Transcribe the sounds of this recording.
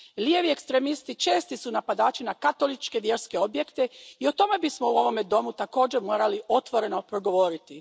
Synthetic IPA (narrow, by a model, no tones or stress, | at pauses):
lijeʋiekst̪ɾemist̪it͡ʃe̞ːst̪isunapad̪aːt͡ʃinakat̪o̞lit͡ʃke̞ʋje̞ɾske̞o̞bje̞kt̪e̞io̞t̪o̞me̞bismo̞uo̞ʋo̞me̞d̪o̞mut̪ako̞ːd͡ʑemo̞ːɾaliʔo̞t̪ʋo̞ɾe̞no̞pɾo̞ɡo̞ʋo̞ɾit̪i